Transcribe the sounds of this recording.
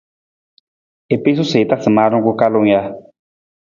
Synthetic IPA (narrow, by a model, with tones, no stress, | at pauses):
e˨pe˦s̬u˦se˨t̪a˦sɨ˨ma˦ɾʊ˦ŋ˦kʊ˦ka˦lo˦ŋ˦ja˦